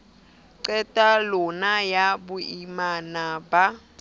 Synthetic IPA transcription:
ǀɛtʼalɔnajabuimanaːba

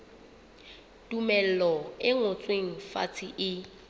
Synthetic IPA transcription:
tʼumɛl̩lɔɪŋʊt͡sʼweŋ̩fa̰t͡sʰiʔɪ

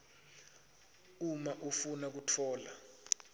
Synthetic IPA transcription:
umaʔufunak̬utʰɔːla

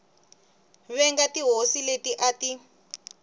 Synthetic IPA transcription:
βɛŋɡatiɦosiletiʔati

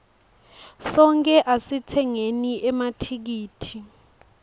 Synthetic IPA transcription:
sɔŋkʼɛʔasitʰɛŋeniʔɛmatʰik̬iːtʰi

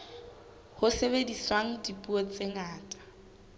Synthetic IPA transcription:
hʊseβediswaŋ̩dipʼuɔt͡sʼeŋaːtʼḁ

